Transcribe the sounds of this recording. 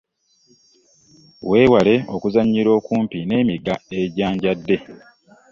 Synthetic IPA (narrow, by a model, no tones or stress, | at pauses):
we̞ːwale̞o̞̰kuzaɲːiɾo̞ːkuːmpine̞ːmiɡae̞ɟaːɲɟadːe̞